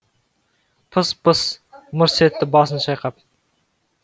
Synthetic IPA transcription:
pʰəspəsmʊɾset̪ːɪbɑsənʃɑjqɑp̚

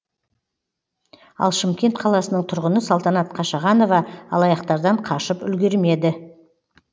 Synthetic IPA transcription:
ɑ̰lˠʃɪmkʲe̞nt̪qʰɑlˠɑsənəɴt̪ʰʊɾʁənəsɑlˠt̪ɑnɑt̪qʰɑʃɑʁɑno̞vɑɑ̰lˠɑjɑqt̪ɑɾd̪ɑɴqʰɑʃəpʏlɡʲeɾme̞d̪ɪ

